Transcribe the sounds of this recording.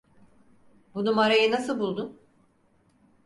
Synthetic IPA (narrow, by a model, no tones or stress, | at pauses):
bunumaɾajɯnasɯlˠbulˠd̪um